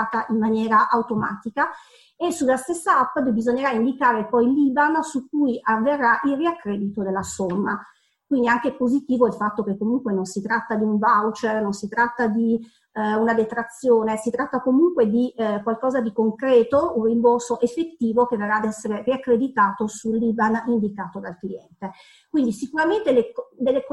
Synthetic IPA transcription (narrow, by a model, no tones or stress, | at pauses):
t̪aʔimmːanjɛːɾaʔawt̪oma̰ːt̪ika | esulːast̪esːaapːab̪bizoɲːeɾaind̪ikaːɾepɔjliːbansukːujʔavːerːaʔilriakːɾɛːd̪it̪od̪elːasomːa | kwind̪iaŋkepozit̪iːvoilfat̪ːok̟ekːomuŋkwenonsit̪ɾat̪ːad̪iuɱvawt͡ʃernonsit̪ɾat̪ːad̪i | unad̪et̪ɾat̪sːjoːnesit̪ɾat̪ːakomuŋkwed̪ikwalkɔːzad̪ikoŋkɾɛːt̪ounrːimborsoʔefːet̪ːiːvok̟everːad̪ɛsːeɾeriakːɾed̪it̪aːt̪osulːiːbanind̪ikaːt̪od̪alkliɛnt̪e | kwind̪isikuɾament̪eled̪elːek